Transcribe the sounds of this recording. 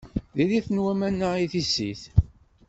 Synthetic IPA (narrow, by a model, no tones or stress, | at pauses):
ðiliθənwæmænːəiθisːḭθ